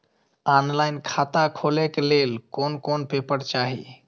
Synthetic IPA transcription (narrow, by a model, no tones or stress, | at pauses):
anlaɪnkʰat̪akʰolekelelkonkonpepəɾt͡ʃaɦḭ